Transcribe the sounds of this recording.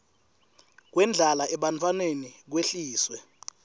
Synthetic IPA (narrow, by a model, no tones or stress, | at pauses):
k̬wɛnd͡ɮʱalaʔɛɓantʰʼwanenik̬weɬiːswɛ